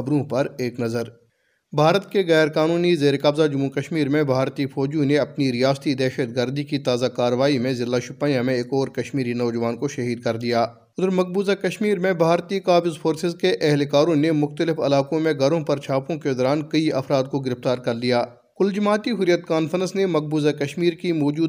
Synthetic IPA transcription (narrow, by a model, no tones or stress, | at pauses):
ɐbɾũpɐɾeːknɐzəɾ | bʱaːɾət̪keɣɛːɾkaːnuːnizeːɾkɐbzad͡ʒʊmːukɐʃmiːɾmẽbʱaːɾt̪ifɔːd͡ʒũneɐpniɾijaːst̪id̪ɛːʃət̪ɡəɾd̪ikit̪aːzakaːɾʋaːimẽzɪlːaʃʊpaːjãmẽeːkɔːɾkɐʃmiːɾinɔːd͡ʒəʋaːnkoʃɐɦiːd̪̚kɐɾd̪ijaː | ʊd̪əɾmɐk̚buːzakɐʃmiːɾmẽbʱaːɾt̪ikaːbɪzfʰoːɾsɪzkeʔɛɦlekaːɾõnemʊxt̪əlɪfɐ̰laːkõmẽɡʱɐɾõpɐɾt͡ʃʰaːpõked̪ɔːɾaːnkɐiɐfɾaːd̪̚koɡɪɾɪft̪aːɾkɐɾd̪ijaː | kʊld͡ʒɐmaːt̪iɦʊɾijət̪kaːnfəɾə̃nsnemɐk̚buːzakɐʃmiːɾkimɔːd͡ʒuː